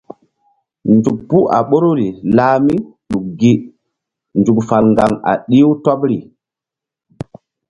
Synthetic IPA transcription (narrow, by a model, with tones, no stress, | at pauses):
nd͡ʒu˨k̚pu˦ʔa˨ɓo˦ɾu˦ɾi˨laː˨mi˦ɗu˨k̚ɡi˦ | nd͡ʒu˨kfa˨lŋɡa˨ŋa̰˨ɗi˦wtɔ˦pɾi˨